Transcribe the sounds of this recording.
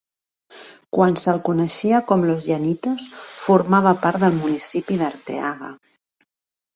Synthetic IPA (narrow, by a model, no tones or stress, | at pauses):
kwansəlˠkunəʃiakɔmlozʎanit̪osfuɾmaβ̞apaɾt̪d̪əlˠmunisipiðəɾt̪ḛaɣa̰